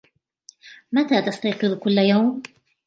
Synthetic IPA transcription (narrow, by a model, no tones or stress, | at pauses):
mat̪at̪ɑst̪ɑjqɨðˤkʊlːajawm